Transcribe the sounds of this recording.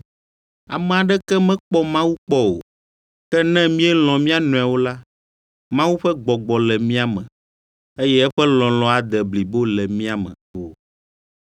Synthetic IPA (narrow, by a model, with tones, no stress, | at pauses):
a̰˨mɛ̃˨a˨ɖɛ˦kɛ˦mɛ̃˦k͡pɔ˦mã˦wu˦k͡pɔ˦o̰˨ | kɛ˦nɛ̃˦mĩ˦ɛ˦l̃ɔ̃˨mĩ˦a˦nɔ̃˨a˨wo˦la˦ | mã˦wu˦ɸɛ˦ɡ͡bɔ˨ɡ͡bɔ˨lɛ˨mĩ˦a˨mɛ̃˨ | e˦jɛ˦ɛ˦ɸɛ˦lɔ̃˨lɔ̃˨a˨d̪ɛ˨bli˨bo˦lɛ˨mĩ˦a˨mɛ̰̃˨o˨